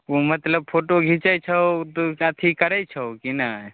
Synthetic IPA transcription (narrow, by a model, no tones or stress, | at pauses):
umɐt̪ləb̚pʰoːʈoɡʱit͡ʃajt͡ʃʰəot̪okaːt̪ʰikəɾət͡ʃʰəokina